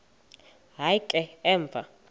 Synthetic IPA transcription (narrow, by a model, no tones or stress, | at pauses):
ɦajkʼɛɛːɱvʱa